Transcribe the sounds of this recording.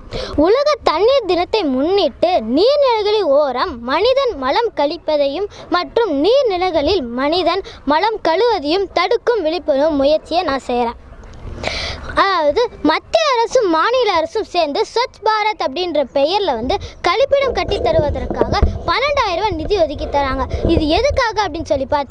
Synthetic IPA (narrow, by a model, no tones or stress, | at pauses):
ʊlɐɣɐt̪ɐnːiːɾd̪ɪnɐt̪ːɐɪmʊnːiːʈːɯniːɾnɪlɐɪɣɐɭɪloːɾɐmːɐnɪðɐnmɐlɐmkɐɭɪpːɐðɐjɯmːɐʈrɯmniːɾnɪlɐɪɣɐɭɪlmɐnɪðɐnmɐlɐmkɐɭɯʋɐðɐjɯmt̪ɐɽɯkːɯmʋɪɭɪpːɐnɯmːʊjɐɾt͡ʃːɪjɐnãːsɛjɐɾaː | ɐðaːʋɐðɯmɐt̪ːɪɐːɾɐsɯmːaːnɪlɐɐɾɐsɯmseːɾnd̪ɯsɔt͡ʃːbaːɾɐt̪ɐp̬ːɐɽɪndrɐpɛjɐɾlɐʋɐnd̪ɯkɐɻɪpːɪɽɐmkɐʈːɪt̪ːɐɾɯʋɐðɐrkaːɣɐpɐnːɐɳɖaːjɪɾɐʋɐnɪðɪjɔðɪk̬ːɪt̪ːɐɾaːŋɡɐɪðɯɛðɯkːaːɣɐɐpːɐɽɪnːsɔlːipaːɾt̪ɯ